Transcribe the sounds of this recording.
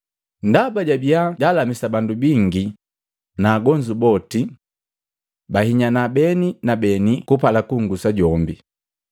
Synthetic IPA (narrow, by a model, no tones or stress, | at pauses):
ndabaɟabiaɟalamisabandubiŋɡi | naːɡɔɲd͡ʒubɔti | bahiɲanabɛninabɛnikupalakuŋɡusaɟɔmbi